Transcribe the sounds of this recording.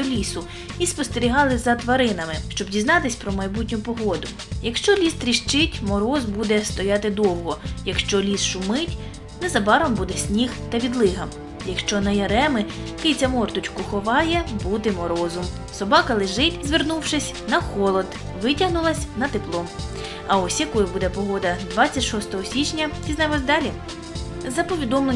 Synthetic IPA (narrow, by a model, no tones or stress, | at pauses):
ɔlʲisʊ | ispɔst̪eɾʲiɦɑlˠɪzɐt̪ʋɐɾɪnɐmɪʃt͡ʃɔbdʲizn̪ɑt̪ɪsʲpɾɔmɐjbutʲnʲʊpɔɦɔd̪ʊ | jɐkʃt͡ʃɔlʲist̪ɾʲiʃt͡ʃɪtʲmɔɾɔzbud̪ɛst̪ɔjat̪ɪd̪ɔwɦɔjɐkʃt͡ʃɔlʲisʃʊmɪtʲ | nɛzɐbɑɾɔmbud̪ɛsʲnʲixt̪ɐʋʲid̪lˠɪɦɐm | jɐkʃt͡ʃɔnɐjɐɾɛmɪkɪj̪t͡sʲɐmɔrt̪ʊt͡ʃkʊxɔʋɑjɛbut̪ɪmɔɾɔzɔm | sɔbɑkɐlˠɪʒɪtʲzʲʋɪrnuwʃɪsʲ | nɐxɔlˠɔd̪ | ʋɪtʲɐɦnʊlˠɐsʲnɐt̪eplˠɔm | ɐɔsʲjɐkɔjʊbud̪ɛpɔɦɔd̪ɐd̪ʋɑt͡st͡sʲːɐtʲʃɔst̪ɔɦɔsʲit͡ʃnʲɐiznɛmɔzʲd̪ɑlʲi | zɐpɔʋʲid̪ɔmlˠe